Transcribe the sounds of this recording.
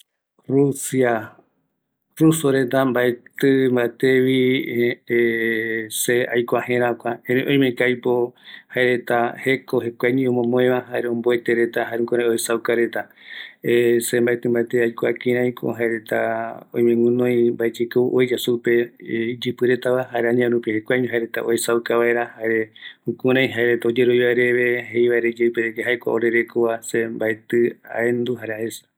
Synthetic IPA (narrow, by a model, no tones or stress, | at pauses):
rusia | rusoɾe̞t̪ambaet̪ɨmbaet̪eβi | seajkʷahẽɾãkʷaẽɾẽʔõj̃mẽkajpohaeɾe̞t̪ahe̞koɦekʷaɲĩõmõmõẽβãɦaɾeõmboet̪eɾet̪aɦaɾẽŋkoɾeoesawkaɾe̞t̪a | sembaet̪ɨmbaet̪ɨajkoakĩɾãj̃kʰo̰ɦaeɾet̪aõ̰jɲẽŋũnõj̃mbaet͡ʃikɨ̰ʔojd͡ʒasuped͡ʒɨpɨɾet̪aβaɦaeɾeaɲãɾũpihekʷaɲũɦaeɾet̪a̰ʔoesawkaβaeɾahaeɾeũkũɾãj̃ɦaeɾet̪aod͡ʒe̞ɾojβaeɾeβe̞hejβaeɾed͡ʒepeɾekeɦaejkʷa̰oɾe̞ɾekoβasembaet̪ɨa̰end̪uɦaɾeaesḁ